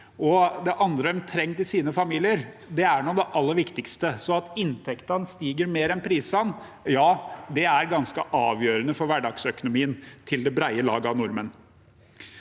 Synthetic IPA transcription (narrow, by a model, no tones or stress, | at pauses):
ɔd̪ɛʔɑnd̪ɾəɛmt̪ʰɾɛŋːt̪ɪlsiːnəfɑmiːlɪəɾd̪ɛæɳud̪ɛʔɑlːəɾʋɪkt̪ɪkst̪əsɔɑt̪ɪnt̪ʰɛkt̪ɑnst̪iːɡəɾmeːɾɛnpʰɾiːsɑn | jɑːd̪ɛæɾɡɑnskəʔɑːʋjøːɾənəfɔɾʋæɖɑɡsœkʊnʊmiːənt̪ʰɪld̪ɛbɾæɪəlɑ̰ːɡəɑnʊɾmən